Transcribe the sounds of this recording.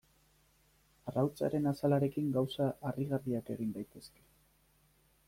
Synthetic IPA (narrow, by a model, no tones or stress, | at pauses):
arawt͡sa̰ɾe̞nasalaɾe̞kiŋɡawsaʔariɣarðiake̞ɣ̞ind̪ajt̪e̞ske̞̥